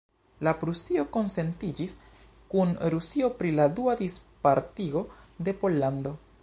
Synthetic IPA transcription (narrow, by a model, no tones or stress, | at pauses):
lapɾusio̞ko̞nse̞ntid͡ʒis | kunɾusio̞pɾiladuadispaɾtio̞de̞po̞lːando̞